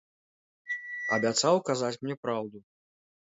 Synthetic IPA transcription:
ɐ̰bʲat̪sawkazat͡sʲmnʲɛpɾawd̪u

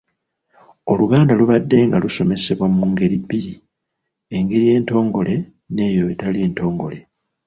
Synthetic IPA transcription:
o̞luɡaːndaluβadːe̞ŋɡaluso̞me̞se̞βwamuŋɡe̞ɾibːiɾi | e̞ŋɡe̞ɾije̞ːnto̞ːŋɡo̞le̞ | ne̞ːjoetalie̞ːnto̞ːŋɡo̞̰le̞

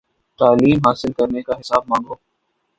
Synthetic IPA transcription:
t̪aːliːmɦaːsɪlkɐɾnekaɦɪsaːb̚mãːŋɡoː

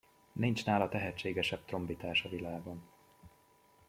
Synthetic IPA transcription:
nint͡ʃnaːlɒt̪ɛɦɛt͡ʃːeːɡɛʃɛb̚t̪ro̞mbit̪aːʃɒvilaːɡo̞n

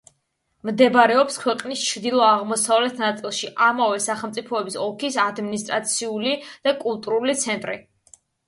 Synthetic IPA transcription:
md̪ɛbɾɛɔpskʰwɛqʼnist͡ʃʰɾd̪ilˠɔaʁmɔsavlɛt̪ʰnat̪sʼilˠʃiʔamavɛsaχɛlˠt̪sʼipʰɔɛbisɔlˠkʰisad̪minist̪ʼɾat̪sʰiulid̪̥akʼulˠt̪ʼuɾulit̪sʰɛnt̪ʼɾḭ

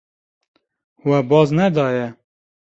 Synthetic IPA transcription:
wɛbɑːznɛd̪ɑːjɛ

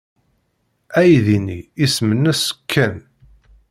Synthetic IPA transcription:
æjðiniːsmənːæsə̥kʰːæn

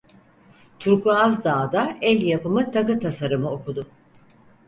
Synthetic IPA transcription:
t̪ʰuɾkuazd̪aːd̪aɛlʲjapɯmɯt̪ʰakɯt̪ʰasaɾɯmɯo̞kud̪ʊ

